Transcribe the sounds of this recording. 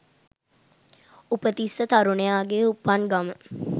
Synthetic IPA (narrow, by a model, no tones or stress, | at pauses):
upət̪isːət̪aɾunejaːɡeupanɡamə